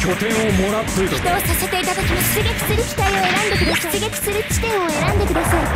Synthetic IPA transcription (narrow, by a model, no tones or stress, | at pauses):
kʲo̞t̪ẽ̞ɰ̃omo̞ɾat̪ːojit̪i̥t̪oosase̞t̪e̞it̪at̪o̞kʲiɲiɕiɡekʲi̥sɨɾɯ̟kʲi̥t̪aio̞e̞ɾãnd̪e̞kɯ̟d̪aɨɡekʲi̥sɨɾɯt͡ɕi̥t̪ẽ̞ɰ̃o̞e̞ɾãnd̪e̞kɯ̟d̪asai